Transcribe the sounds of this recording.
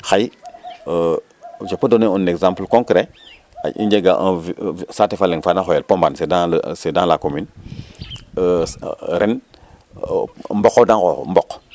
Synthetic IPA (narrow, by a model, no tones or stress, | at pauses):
xaj | d͡ʒopːədoneuneɡzãmplkõŋkɾe | a̰ḭnd͡ʒeɡaʔsatefaleŋfadãxojelpombansedal̰sedãlakomin | ɾen | mbɔkodãŋkombɔk